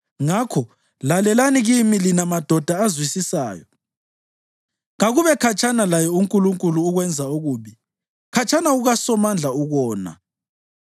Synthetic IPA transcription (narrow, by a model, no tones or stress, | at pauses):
ŋakʰɔ | lalɛlaniɣimilinamad̥ʱɔd̥ʱaːzwisisa̰ːjɔ̰ | ŋaɣuβɛkʰat͡ʃʰʼanalajɔuŋkʼuluŋkʼuluːɣwɛnd͡zʱauɣuːβi | kʰat͡ʃʰʼanauɣasɔmand͡ɮʱauɣɔːna̰